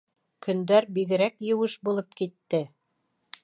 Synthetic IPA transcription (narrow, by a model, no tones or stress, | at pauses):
kʰɵ̆nd̪æɾbiɡɘ̆ɾækjɘ̆wɤʃbulˠɤpkit̪ːɘ